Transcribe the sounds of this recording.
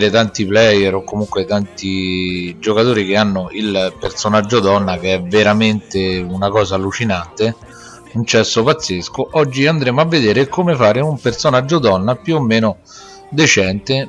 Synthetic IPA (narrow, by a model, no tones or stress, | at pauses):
ɾet̪ant̪iplɛjːɛɾokːomuŋkwet̪ant̪id͡ʒokat̪oːɾik̟eanːoʔilpersonad͡ʒːod̪ɔnːak̟eɛvːeɾament̪eunakɔːzaːlːut͡ʃinant̪e | unt͡ʃɛsːopat̪sːeskoʔɔd͡ʒːiand̪ɾeːmoavːed̪eːɾekomefaːɾeumpersonad͡ʒːod̪ɔnːapjuomːeːno | d̪et͡ʃɛnt̪e